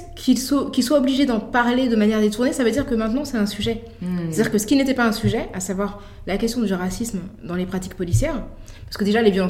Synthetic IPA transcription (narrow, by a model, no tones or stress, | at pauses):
kʲʰilsokʲilswaɔbliʒed̪ɑ̃paʁled̪əmanjɛʁd̪et̪uʁnesavød̪iʁkəmɛ̃t̪nɑ̃sɛt̪ɛ̃syʒɛ | ɛt̪ad̪iʁkəsə̥kʲinet̪ɛpaɛ̃syʒɛʔasavwaʁ | lakʲɛst̪jɔ̃d̪yʁasismd̪ɑ̃lepχat̪i̥kpɔlisjɛːʁ | paʁsəkəd̪eʒalevjɔlɑ̃